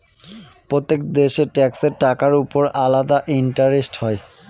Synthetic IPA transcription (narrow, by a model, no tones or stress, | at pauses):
pɹot̪ːekd̪eʃeʈɛkseʈakaɹupoɹalad̪aʔinʈaɾisʈhɔj